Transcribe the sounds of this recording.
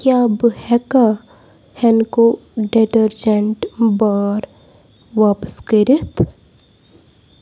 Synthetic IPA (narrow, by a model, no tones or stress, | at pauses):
kjabəhɛka | hɛnkoɖeʈəɾd͡ʒeɳʈbaːɾ | ʋaːpəskəɾit̪ʰ